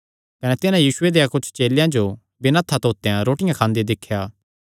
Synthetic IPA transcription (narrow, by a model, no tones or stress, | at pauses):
kɐnɛt̪ɪnãjiːsʊed̪eːjãkʊt͡ʃʰt͡ʃeːljãd͡ʒo | bɪnat̪ʰːat̪oːt̪ːejãɾoːʈɪjãkʰãːnd̪ed̪ɪkʰːjaː